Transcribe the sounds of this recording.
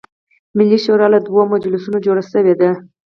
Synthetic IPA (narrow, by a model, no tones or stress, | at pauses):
mɪlːiʃoɾɑlad̪wamad͡ʒlɪsunod͡ʒoɽaʃəwed̪a